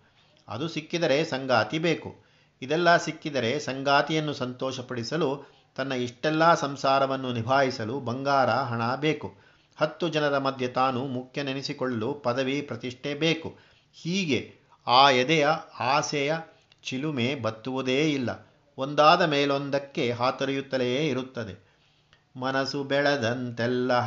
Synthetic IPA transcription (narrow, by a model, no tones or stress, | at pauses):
ɐ̰d̪usikːid̪ɐɾe̞sɐŋɡaːt̪ibeːkṵ | id̪ɛlːɐsikːid̪ɐɾe̞sɐŋɡaːt̪ijɐnːusɐnt̪ɔːʃɐpɐɽisɐlu | t̪ɐnːɐiʂʈɛlːɐsɐmsaːɾɐʋɐnːunibʱaːɦisɐlubɐŋɡaːɾɐɦɐɳabe̞ːku | hɐt̪ːud͡ʒɐnɐɾɐmɐd̪ʱjɐt̪aːnumukʰjɐninisikoɭɐlupɐd̪ɐʋipɾɐt̪iʂʈʰebeːku | hiːɡe̞ | aːjɛd̪ɛjɐaːsɛjɐ | t͡ʃilumeːbɐt̪ːuʋud̪eːilːɐ̰ | ond̪aːd̪ɐmeːlond̪ɐkːe̞ɦaːt̪ɐɾɐjut̪ːɐlɛjeːiɾut̪ːɐd̪e̞ | mɐnɐsubɛɭɐd̪ɐnt̪ɛlːɐ